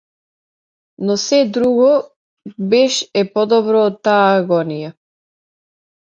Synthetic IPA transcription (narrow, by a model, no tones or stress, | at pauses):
nɔsɛd̪ɾuɡɔ | bɛʃɛpɔd̪ɔbɾɔːt̪ːaːɡɔnija